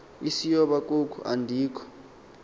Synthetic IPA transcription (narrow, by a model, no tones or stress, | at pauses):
isijɔɓakʼokʰuʔa̰ndʱiːkʰɔ̥